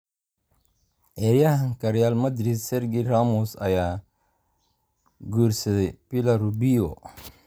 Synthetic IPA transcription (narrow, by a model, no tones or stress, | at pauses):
ʔɛːɾjɐɦɐŋkɐɾjaːlmɐd̪ɾid̪sɛɾɡiraːmɔsɐjaː | ɡuːrsɐðɛjpɪlɐɾubiɔ